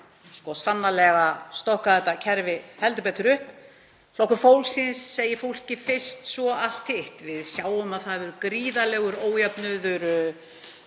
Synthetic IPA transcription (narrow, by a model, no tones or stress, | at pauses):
skɔsanːalɛɣast̪ɔhkaðɛt̪ːacʰɛɾvɪhɛlt̪ʏpɛt̪ʏɾʏh | lowhkʏfowlsɪnsːeːjɪfowl̥cɪfɪr̥st̪svɔal̥t̪hɪht̪vɪðsjaːwʏmaðθaðvɛɾʏkɾiːðalɛɣʏɾoːwjapnʏðʏɾ